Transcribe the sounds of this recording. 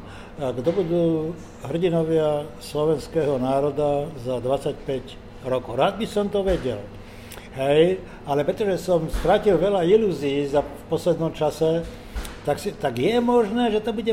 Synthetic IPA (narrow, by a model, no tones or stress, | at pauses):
ɡd̪ɔbud̪uː | ɦr̩ɟinɔʋɪaslɔʋɛnskɛːɦɔnaːɾɔd̪azad̪ʋat͡sacpɛc | ɾɔkɔʊɾaːd̪̚bisɔmt̪ɔʋɛɟɛ̰l | ɦɛj | alɛpɾɛt̪ɔʒɛsɔmst̪ɾacilʋɛʎailuːziːzafpɔslɛd̪nɔmt͡ʃasɛ | t̪aksit̪aɡjɛmɔʒnɛːʒɛt̪ɔbuɟɛ